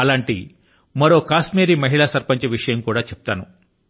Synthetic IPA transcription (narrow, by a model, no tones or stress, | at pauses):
ɐlaːɳʈḭ | mɐɾo̞ːkaːsmeːɾiːmɐɦiɭaːsɐɾpɐɲt͡ʃɐʋiʂɐjɐmkuːɽaːt͡ʃɛp̚t̪aːnu